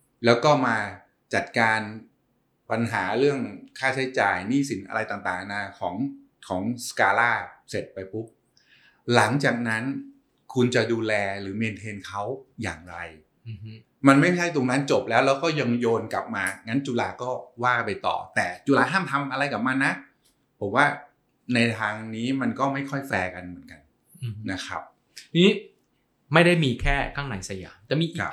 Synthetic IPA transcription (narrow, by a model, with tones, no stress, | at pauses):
lɛː˦˥wkɔː˥˩maː˧ | t͡ɕa˨˩t̪̚kaː˧n | pa˧nɦaː˩˦ɾɯ˥˩əŋkʰaː˥˩t͡ɕʰa˦˥jt͡ɕa̰ː˨˩jniː˥˩si˩˦nʔa̰˧ɾa˧jt̪aː˨˩ŋt̪aː˨˩ŋnaː˧kʰɔː˩˦ŋ | kʰɔː˩˦ŋskaː˧laː˥˩se˨˩t̪̚pa˧jpʰu˦˥p̚ | la˩˦ŋt͡ɕaː˨˩k̚na˦˥n | kʰu˧nt͡ɕa˨˩duː˧lɛː˧ɾɯː˩˦meː˧nt̪ʰeː˧nkʰa˦˥wja̰ː˨˩ŋɾa˧j | ma˧nma˥˩jʰa˥˩jt̪o˧ŋna˦˥nt͡ɕo˨˩p̚lɛː˦˥wlɛː˦˥wkɔː˥˩ja˧ŋjoː˧nka̰˨˩p̚maː˧ŋa˦˥nt͡ɕu˧laː˧kɔː˥˩waː˥˩pa˧jt̪ɔ̰ː˨˩t̪ɛː˨˩t͡ɕuː˧laː˧k̪ʰaː˥˩˨mt̪ʰa˧mʔa˧ɾa˧jka˨˩p̚ma˧nːa˦˥ | pʰo˩˦mwaː˥˩ | na˧jt̪ʰaː˧ŋniː˦˥ma˧nkɔː˥˩ma˥˩jkʰɔ˥˩jfɛː˧ka˧nmɯ˨˩˦nka˧n | na˦˥kʰɾa̰˦˥p̚ | t̪ʰi˧i˦˥ | ma˥˩jda˥˩jmiː˧kʰɛː˥˩kʰaː˥˩ŋna˨˩˦jsa˧ja̰ː˩˦mt̪ɛː˨˩miː˧ʔi˨kʰ